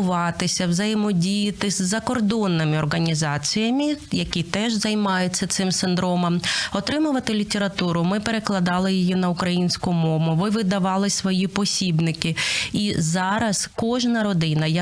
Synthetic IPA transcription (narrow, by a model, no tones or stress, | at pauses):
ʊʋɑt̪ɪsʲɐwzɐjɪmɔdʲijɪt̪ɪzʲːɐkɔrd̪ɔnːɪmɪɔrɦɐnʲizɑt͡sʲijɐmʲijɐkʲit̪ɛʒzɐjmɑjʊt͡sʲːɐt̪sɪmsɪnd̪ɾɔmɐmɔt̪ɾɪmʊʋɐt̪ɪlʲitʲeɾɐt̪uɾʊmɪpeɾeklˠɐd̪ɑlˠɪjɪjinɐʊkɾɐjinʲsʲkʊmɔmʊʋɪʋɪd̪ɐʋɑlˠɪsʋɔjipɔsʲibnɪkɪizɑɾɐskɔʒnɐɾɔd̪ɪnɐj